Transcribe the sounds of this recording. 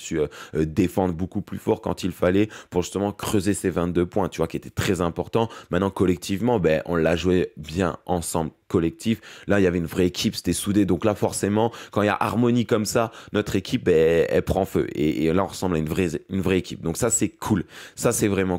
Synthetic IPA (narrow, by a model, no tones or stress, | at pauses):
syød̪efɑ̃d̪ʁbokuplyfɔʁkɑ̰̃t̪ilfalɛpuʁʒyst̪əmɑ̃kχøzesevɛ̃t̪̚d̪øpwɛ̃t̪yvwakʲiet̪ɛ̥t̪χɛzɛ̃pɔʁt̪ɑ̃mɛ̃t̪nɑ̃kɔlɛk̚t̪ʰivmɑ̃bɛʔɔ̃lːaʒwebjɛ̰̃ɑ̃sɑ̰̃blkɔlɛk̚t̪ʰiflailjavɛynvʁɛekʲʰipse̥t̪ɛsud̪ed̪ɔ̃klafɔʁsemɑ̃kɑ̃ilja̰ʔaʁmɔnikɔmsanɔt̪χekʲʰip̚bɛɛ̰lpχɑ̃fø̰ʔḛːlaɔ̃ʁəsɑ̃blaynvʁɛynvʁɛekʲip̚d̪ɔ̃ksasɛkʰulsasɛvʁɛmɑ̃